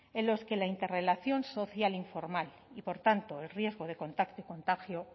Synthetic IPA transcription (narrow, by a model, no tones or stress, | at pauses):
e̞nlo̞ske̞laint̪e̞re̞laθjo̞nso̞θjaliɱfo̞ɾmal | ipo̞ɾt̪ant̪o̞elrje̞zɣo̞ð̞e̞ko̞nt̪akt̪oiko̞nt̪axjo